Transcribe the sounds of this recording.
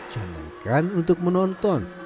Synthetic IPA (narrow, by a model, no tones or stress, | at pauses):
ʒ̥a̤nt̪əŋkanunt̪ʊk̚mənɔnt̪ɔn